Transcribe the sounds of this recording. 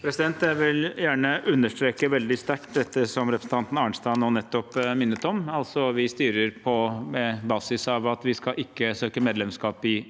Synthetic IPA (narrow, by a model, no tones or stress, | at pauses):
pʰɾɛsɪd̪ɛnt̪jæʋɪljæːɳəʉnːəʂʈ̪ɾeːkəʋɛld̪ɪst̪æʈd̪ɛt̪ːəsɔmɾɛpʰɾəsn̩t̪ʰɑnt̪n̩ɑːɳst̪ɑːnoːnɛt̪ːɔpmɪnːət̪ɔmɑlsɔʋɪst̪yːɾəɾpʰɔmɛbɑːsɪsɑʋɑt̪ʋɪskɑʔɪkːəsøːkəmeːd̪lɛmskɑːpɪ